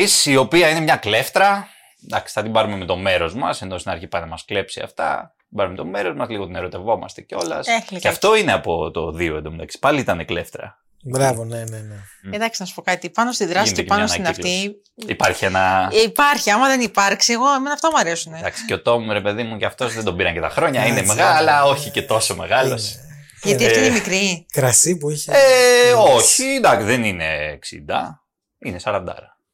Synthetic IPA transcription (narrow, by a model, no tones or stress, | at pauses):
isio̞piɐine̞mɲɐkle̞ft̪ɾɐ | d̪ɐksi̥θɐt̪imbɐɾumemet̪o̞me̞ɾo̞zmɐse̞nost̪inɐɾçipɐnɐmɐskle̞psiɐ̰ft̪ɐ̰t̪ibɐɾumemet̪o̞me̞ɾo̞zmɐzliɣo̞t̪ineɾot̪e̞vo̞mɐ̰st̪e̞̥ceo̞lɐ̰selɐft̪o̞ineɐpo̞t̪o̞̰ðioend̪omd̪ɐksi̥pɐliit̪ɐnekle̞ft̪ɾɐ̰ | bɾɐvoneneneend̪ɐksinɐsu̥po̞kɐt̪ipɐnost̪iðɾɐsepɐnnost̪inɐft̪i | ipɐɾçienɐipɐɾçiɐmɐðe̞nipɐɾksieɣo̞emenɐft̪ɐmuɐɾe̞suned̪ɐksi̥ceo̞t̪o̞muɾe̞pe̞ðimucɐft̪o̞zðend̪o̞biɾɐɲŋcet̪ɐ̰xɾo̞ɲɐine̞meɣɐlɐlɐo̞çice̞t̪o̞so̞me̞ɣɐlo̞s | ʝɐtt̪iɐftinemikɾikɾɐsipuieoçind̪ɐksiðe̞nine̞ːksḭnd̪ɐ̰ | inesɐɾɐnd̪ɐ̰ɾɐ